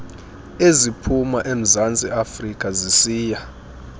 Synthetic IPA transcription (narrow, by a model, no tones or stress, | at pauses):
ezipʰumaʔem̩zant͡sʼiafrikʼazisiːja